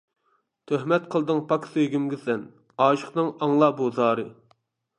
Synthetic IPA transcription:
t̪ʰøhmɛt̪̚qʰəlˠd̪ɨŋpʰɑksøjɡʲymɡʲɪsɛn | ɑːʃəχnɨŋɑŋlˠɑːbuzɑːɾɨ

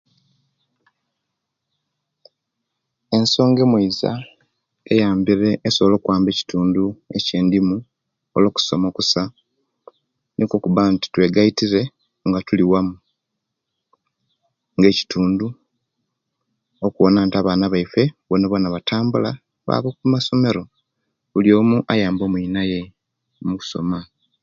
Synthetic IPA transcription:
e̞nso̞ːŋɡe̞mwiiza̰ | ejaːmbiɾeːsoβolo̞ːkwaːmbe̞ːci̥tuːndue̞̰ce̞ːndimu | o̰lo̞ːku̥so̞̰mo̞ːkusa | nʔiko̞kuβanti̥twe̞ɡaitiɾe̞ | ŋɡatuliwamu | ŋɡe̞ːci̥tʰuːndu | okuwonaːntiaβaːnaβaife̞βonoβanaβatʰaːmbula | βa̰βo̞ːkuumaso̞me̞ɾo̞ | βuljo̞ːmuʔajaːmbo̞muinaje̞ | muku̥so̞̰ma

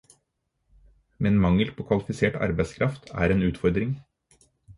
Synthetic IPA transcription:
mɛnmɑŋəlpʰoːkʰʋɑlɪfɪseːʈɑ̰ɾbæɪskʰɾɑft̪ʰæ̰ːɾeːnʉːt̪fɔɾd̪ɾɪŋ

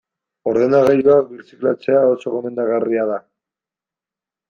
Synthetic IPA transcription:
o̞ɾðe̞naɣajuakbiɾsiklat͡se̞aoso̞ɣo̞me̞nd̪aɣariað̞a

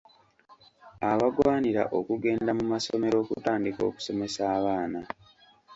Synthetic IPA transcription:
aβaɡwaːniɾa̰ʔo̞kuɡe̞ːndamumaso̞me̞ɾo̞ːkṵtaːndiko̞̰ːku̥so̞me̞saːβaːna

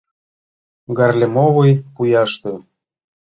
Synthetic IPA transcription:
ɡɑrlʲemoβɤjpujɑʃt̪ĕ

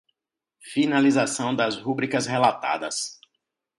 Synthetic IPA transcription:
finalizasɐ̃w̃d̪ɐzhubɾikɐshelat̪a̰d̪ɐs

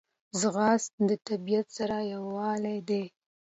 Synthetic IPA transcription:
zɣɑst̪d̪ət̪abijat̪saɾajawɑlajd̪e

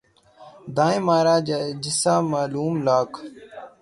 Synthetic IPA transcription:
d̪ãːẽːmaːɾaːd͡ʒɪsaːmaːluːmlaːkʰ

